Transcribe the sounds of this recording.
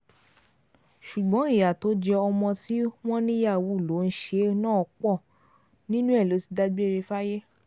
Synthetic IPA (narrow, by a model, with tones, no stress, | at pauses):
ʃu˨ɡ͡bɔ̃˨˦i˦˨ja˨to˨˦d͡ʒɛ˧ɔ˧mɔ̃˧ti˦w̃ɔ̃˦nĩ˦ja˦˨wu˨˦˨lo˨˦n̩˦ʃe˧˦nãː˦ɔ˧k͡pɔ˦˨ | nĩ˦nũ˦ɛ˦˨lo˨˦si̥˧˦da˦ɡ͡be˦˨ɾe˧fa˦je˦